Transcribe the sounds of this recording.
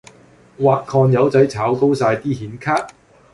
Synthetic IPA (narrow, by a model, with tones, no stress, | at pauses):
waː˨k̚kʰɔː˧njɐ˨˥wt͡sɐ˨˥jt͡sʰaː˨˥wko˥wsaː˧jt̪iː˥hiː˨˥nkʰaː˥t̚